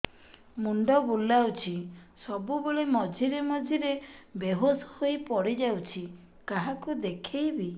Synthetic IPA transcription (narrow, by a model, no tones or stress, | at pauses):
muɳɖɔbulːawt͡ʃʰisɔbubeɭemɔd͡ʒʱiɾemɔd͡ʒʱiɾebeɦosɔ̥hojpɔɽid͡ʒawt͡ʃʰi | kaɦakud̪ekʰejbi